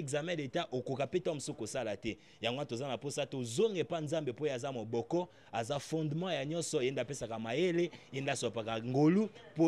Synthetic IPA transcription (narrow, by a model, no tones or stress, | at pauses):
kzamɛ̃detaʔokokapetãm̩osokosalatɛ | jaŋɡoatozanaposatozoŋɡepanzambepojazamobɔkɔ | azafɔ̃ndmɑ̃jaɲɔ̃nsɔendapesakamajeleendasapakaŋɡolupo